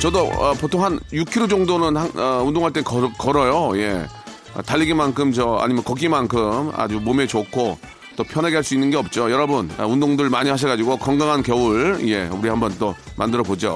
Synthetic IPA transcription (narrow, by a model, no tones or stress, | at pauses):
t͡ɕʌdoʌpotʰoŋɦanjukʰiɾod͡ʑʌŋdonɯnhanʌundoŋɦaɭt͈enkʌɾkʌɾʌjoje̞̰ | ʌ̰taʎːiɡimankʰɯmt͡ɕʌa̰ɲimjʌnkʌɡimankʰɯma̰d͡ʑumomet͡ɕokʰo | t͈opʰjʌneɡeɦaɭs͈uinːɯnɡeʌp̚t͡ɕ͈ojʌɾʌbɯnʌ̰undoŋdɯɭmaɲihaɕ̬ʰʌɡad͡ʑiɡokʌŋɡaŋɦankjʌuɭḭje̞uɾiɦambʌnt͈omʔandɯɾʌbod͡ʑo̰